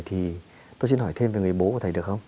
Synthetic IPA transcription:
jt̪ʰi˨˩ | t̪o˧jsi˧nhɔ˧˩jt̪ʰe˧mve˨˩ŋɨ˨˩əjɓo˨˦kt̪ʰːjɗəkxə˧wŋ͡m

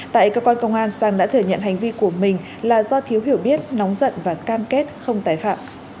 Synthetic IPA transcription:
t̪a̰ː˧˨jkəː˧kwaː˧nkə˧wŋ͡mʔaː˧nsaː˧ŋɗa̰ː˧˥t̪ʰɨ˨˩əɲə̰˧˨nɦa˨˩jŋ̟vi˧ku˧˩əmï˨˩ŋ̟ | laː˨˩zɔ˧t̪ʰi˨˦wɦi˧˩wɓi˦˥ət̚nɔ˨˦wŋ͡mzə̰˧˨nvaː˨˩kaː˧mke˦˥t̚xə˧wŋ͡mt̪aː˧˩jfa̰ː˧˨m

